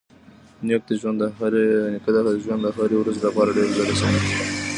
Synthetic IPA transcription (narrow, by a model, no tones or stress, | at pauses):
njek̚d̪əʒwand̪ɾnkəd̪aʒwand̪axaɾewɾazelapɑɾaɖeɾlaɾasawe